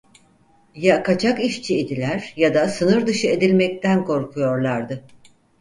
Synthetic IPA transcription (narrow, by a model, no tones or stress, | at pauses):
jakat͡ʃʰakiʃt͡ʃʰied̪ilʲæɾ̥jad̪asɯnɯɾd̪ɯʃɯe̞d̪ilʲmɛc̚t̪ænkʰo̞ɾkʰujo̞ɾlˠaɾd̪ɯ